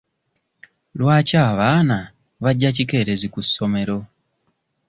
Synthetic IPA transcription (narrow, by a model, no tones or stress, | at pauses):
lwaːcaːβaːna | βaɟːacike̞ːɾe̞zikusːo̞me̞ɾo̞